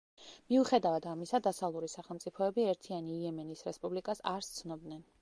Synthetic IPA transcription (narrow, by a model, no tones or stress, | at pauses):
miuχɛd̪avad̪amisad̪asavlˠuɾisaχɛlˠmt̪sʼipʰɔɛbiɛɾt̪ʰianiːɛmɛnisɾɛspʼublikʼasaɾst̪sʰnɔbd̪nɛn